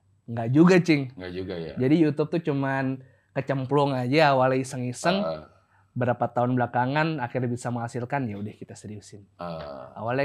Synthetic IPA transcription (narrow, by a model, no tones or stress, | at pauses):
ŋɡaʔd͡ʒuɡat͡ʃɪŋŋɡad͡ʒuɡajd͡ʒadijut̪up̚t̪ut͡ʃuman | kət͡ʃəmplɔŋad͡ʒaːwalisəŋisəŋ | bəɾapat̪aʊnbəlakaŋanakɪrbisaməŋɦasilkanjaudahkit̪asəɾiusɪn | a̰wal